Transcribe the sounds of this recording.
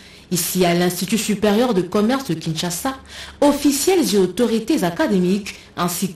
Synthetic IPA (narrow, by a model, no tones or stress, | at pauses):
isialɛ̃st̪it̪ysypeʁjœʁd̪əkɔmɛʁsd̪əkʲĩnʃasaɔfisjɛlzeot̪ɔʁit̪ezakad̪emik | ɛ̃sik